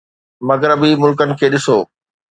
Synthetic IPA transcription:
mɐɣɾəbimʊlkənɪ̆kʰeːɗɪsoː

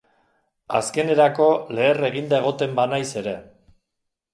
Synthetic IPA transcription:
a̰ske̞ne̞ɾako̞le̞ːre̞ɣ̞ind̪ae̞ɣ̞ot̪e̞mbanajse̞ɾe̞

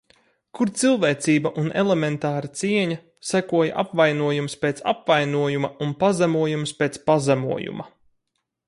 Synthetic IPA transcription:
kuɾt̪silˠveːt̪siːbɐʔunelement̪aːɾɐt̪siɛɲɐ | sækuɔjaʔapvajnuɔjumspet̪sa̰pvajnuɔjumɐunpazamuɔjumspeːt̪spazamṵɔjṵmɐ̰

